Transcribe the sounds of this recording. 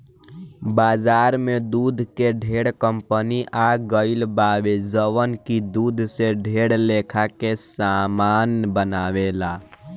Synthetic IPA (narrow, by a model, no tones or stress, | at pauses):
bad͡ʒaɾmed̪ud̪ʱkeɖʱeɽkəmpəniʔaɡəɪlbaʋed͡ʒəʋənkid̪ud̪ʱseɖʱeɽlekʰakesamanbənaʋela